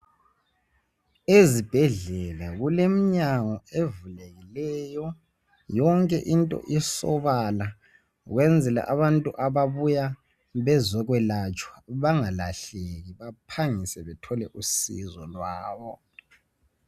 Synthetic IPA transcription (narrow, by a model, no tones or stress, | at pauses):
ezib̥ʱɛɮɛlaɣulemiɲaŋɔevuleɣilɛjɔ | jɔŋkʼɛ̰ʔintʼɔ̰ʔisɔβala | ɣwɛnd͡zʱɛla̰ʔaβantʼuʔaβaβuja | βɛzɔɣwɛlat͡ʃʼwaβaŋalaɬeɣiβapʰaŋisɛβɛtʰɔlɛʔusḭzɔlwaːβɔ